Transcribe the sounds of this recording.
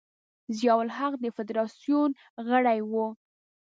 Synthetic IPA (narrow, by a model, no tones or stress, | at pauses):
zjɑwʊlɦaqd̪əfɪd̪ɾɑsjun | ɣəɽajwu